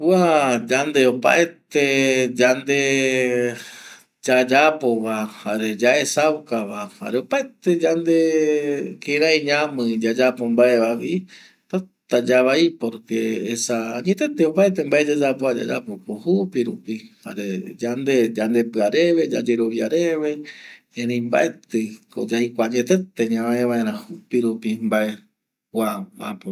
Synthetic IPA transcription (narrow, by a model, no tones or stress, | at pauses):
wad͡ʒand̪e̞o̞pa̰et̪ed͡ʒand̪e̞ | d͡ʒad͡ʒapo̞ʋahaɾe̞d͡ʒaesawkaβaha̰ɾeo̞paet̪e̞d͡ʒand̪e̞ | kiɾaiɲãmɨ̃d͡ʒad͡ʒapo̞mbaeʋaʋi | t̪at̪ad͡ʒaβaipoɾkeːsaɲẽt̪et̪eopaet̪̬embaʔed͡ʒad͡ʒapoad͡ʒa̰d͡ʒapokohupiɾupiha̰ɾe̞d͡ʒand̪ed͡ʒand̪e̞pɨaɾeβe̞d͡ʒa̰d͡ʒe̞ɾo̞ʋjaɾe̞βe | ẽɾẽjmba̰ʔet̪ɨko̰d͡ʒajkʷaɲẽt̪et̪eɲãaeβãeɾ̃ãhupiɾupimbae̞ | waa̰po